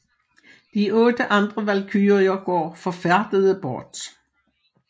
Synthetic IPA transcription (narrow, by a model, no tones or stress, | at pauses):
d̥iʔɔ̽ːd̥əʔɑ̈nd̥ʁəʋælkʰyːʁiɐɡ̥ɒ̰ːfɒfæɐd̥əðˠəb̥ɔːd̥